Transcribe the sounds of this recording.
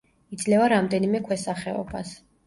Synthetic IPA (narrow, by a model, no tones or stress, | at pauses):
id̪zlɛvaɾamd̪ɛnimɛkʰwɛsaχɛɔ̰ba̰s